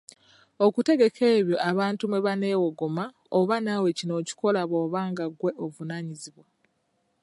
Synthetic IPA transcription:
okute̞ɡe̞kʰeːβjo̞ʔaβaːntumeβane̞ːwoɡoma | oβanawe̞cino̞ːci̥ko̞laβoːβaːŋɡaɡwe̞ʔovunaːɲiziβwa

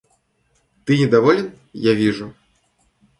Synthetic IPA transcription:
t̪ɨnʲɛd̪avɔlʲɛn | javʲiʐu

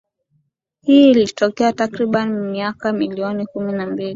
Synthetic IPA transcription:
hiːilitɔkɛatakɾiɓanimiakamiliɔnikuminambili

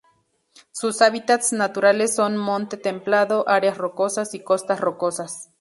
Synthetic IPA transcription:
susaβit̪at̪snat̪uɾalesːonmont̪et̪emplaðoʔaɾeasrokosasikost̪asrokosas

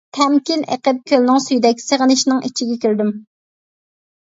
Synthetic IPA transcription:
t̪ʰɛmkʲinḛqəp̪̚kʲʰølnɪŋsyjd̪ɛkʲseʁənɪʃnɪŋʔit͡ʃʰiɡʲɛkʲyɾd̪ym

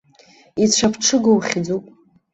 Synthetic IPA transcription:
it͡ɕʷʰapʰʈ͡ʂʰɨɡowχʲd͡zupʼ

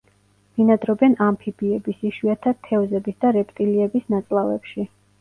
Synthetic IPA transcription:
m̥inad̪ɾɔbɛnampʰibiɛbisiʃwuat̪ʰat̪ʰɛvzɛbisd̪aɾɛpʼt̪ʼiliɛbisnat̪sʼlˠavɛ̰pʃi

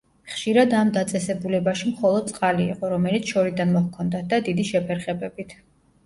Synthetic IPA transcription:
χʃiɾad̪amd̪at̪sʼɛsɛbulɛbaʃimχɔlˠɔd̪̚sʼqʼalḭːqʼɔɾɔmɛlit̪sʰʃɔɾid̪anmɔhkʰɔnd̪at̪̚ʰd̪ad̪id̪iʃɛpʰɛɾχɛbɛbit̪ʰ

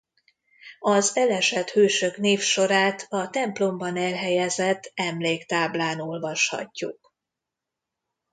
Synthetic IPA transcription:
ɒzɛlɛʃɛt̪høːʃø̞kn̪eːfʃo̞ɾaːt̪ʰɒt̪ɛmplo̞mbɒnɛlɦɛjɛzɛt̪ːɛmleːkt̪aːblaːno̞lvɒʃhɒ̰cːṵk̚

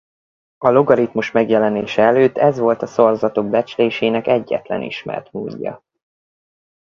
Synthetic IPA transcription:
ɒloɡɒɾit̪muʃmɛɡjɛlɛneːʃɛɛløːt̪ːɛzʋo̞lt̪ɒso̞rzɒt̪o̞ɡ̚bɛt͡ʃleːʃeːnɛkɛɟːɛ̰t̪lɛ̰nḭʃmɛ̰rt̪muːɟːɒ̰

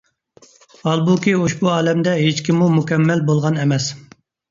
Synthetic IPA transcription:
ɑlˠbukʲioʃbuɑːlɛmd̪ɛɦet͡ʃkʲʰimːumukʲɛmːɛlbolˠʁɑnɛmɛs

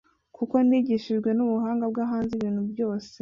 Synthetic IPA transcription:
kuko̞niːɟiʃiʒɡwe̞nuβuɦaːŋɡabɡaɦaːnziβiːn̥hubjo̞ːse

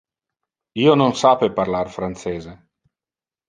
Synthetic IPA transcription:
iːononsapeparlarfɾant̪seːze

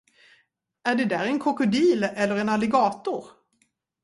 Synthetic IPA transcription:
æɖɛd̪æːɾɛnkʰɔkʊd̪iːlɛlːəɾɛnalːɛɡɑːt̪ʊɾ

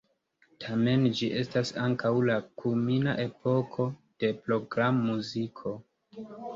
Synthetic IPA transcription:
tʰame̞nd͡ʒiʔe̞stasaŋkawlakʰumina̰ʔe̞po̞kʰo̞d̥e̞pɾo̞ɡɾamːuzikʰo̞

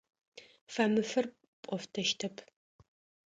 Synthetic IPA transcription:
fɐmɨfɨr | pʼɔftʰɐʃtʰɐpʰ

